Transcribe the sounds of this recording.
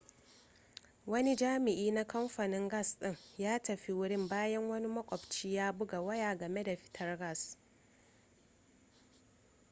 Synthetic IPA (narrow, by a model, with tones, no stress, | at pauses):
wɐ˦ni˦d͡ʒaː˦mɪ˨ʔiː˦na˦kɐ˦mɸa˨nɪ˦ŋɡɐ˦˨sɗɪ˦˨ŋjaː˦tɐ˨ɸi˦wʊ˦ɽɪ˦mbaː˦jɐ˦ŋwɐ˦ni˦mɐ˦kʷʼɔ˨bt͡ʃiː˦jaː˦bʊ˦ɡa˨wɐ˦jaː˨ɡɐ˨me˦da˨ɸɪ̥˦tʰɐ˦rɡɐ˦˨s